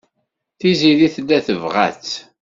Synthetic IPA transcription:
θiziliθlːæθəvʁæ̰t͡s

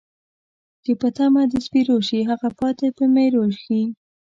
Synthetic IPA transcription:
kepət̪amad̪əspiɾoʃiɦaɣapɑt̪epəmeɾolxi

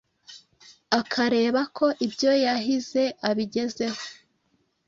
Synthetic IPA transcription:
akʰaɾe̞ːβakʰo̞ʔibjo̞jaɦize̞aβiɟe̞ze̞ho̞

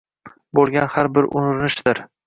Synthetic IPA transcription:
bolˠɡʲanhaɾbɪɾʔʊ̰nɾnɪʃd̪̥ɪɾ

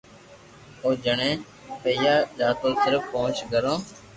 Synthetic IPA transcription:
oːd͡ʒəɳẽː | pəɪjaːd͡ʒaːt̪oːsɪɾəfõːt͡ʃɡəɾõː

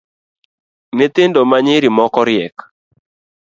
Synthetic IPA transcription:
nɪt̪ɪndomaɲɪɾimɔkɔɾɪɛk

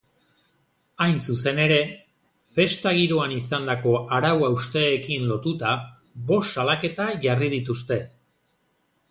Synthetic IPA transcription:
ajnsuse̞ne̞ɾe̞ | fe̞st̪aɣ̞iɾo̞anisand̪ako̞aɾawawst̪e̞ːkinlo̞t̪ut̪a | βo̞sːalake̞t̪aʝarið̞it̪ust̪e̞

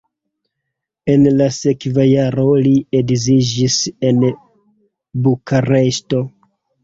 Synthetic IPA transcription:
e̞nlase̞kvajaɾo̞liedzid͡ʒise̞n | bukʰaɾe̞sto̞

